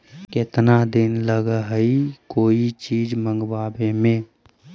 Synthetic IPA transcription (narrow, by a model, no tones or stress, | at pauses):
kɪt̪nad̪ɪnləɡəɦəikoːit͡ʃiːd͡ʒmə̃ŋɡwaːbemẽ